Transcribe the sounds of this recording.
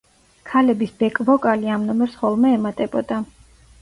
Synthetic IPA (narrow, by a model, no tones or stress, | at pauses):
kʰalɛbisbɛkʼvɔkʼaliamnɔmɛɾsχɔlˠmɛɛmat̪ʼɛbɔd̪a